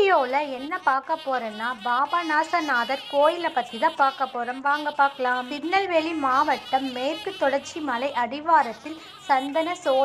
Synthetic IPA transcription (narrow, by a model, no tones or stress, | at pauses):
ɪjoːlɐɛnːɐpaːɾkɐpːoːɾɐnːaːbaːbɐnaːsɐnaːðɐɾkoːjɪlɐpːɐt̪ːɪðɐpːaːɾkɐpːoːɾɐmʋaːŋɡɐpːaːɾkɐlaːmpɪnːɐlʋeɭimaːʋɐʈːɐmːeːrkɯt̪ːɔɽɐɾt͡ʃimɐlɐɪʔɐɽɪʋaːɾɐt̪ːɪl | sɐnd̪ɐnɐsoː